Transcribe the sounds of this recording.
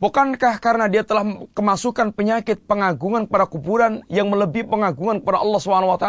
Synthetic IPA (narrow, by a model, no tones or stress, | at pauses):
bukankahkaɾənadiat̪əlahkəmasukanpəɲakɪt̪̚pəŋaɡuŋankəpadakubuɾanjaŋmələbipəŋaɡuŋankəpadaʔɑlːɑhsubɦanawat̪a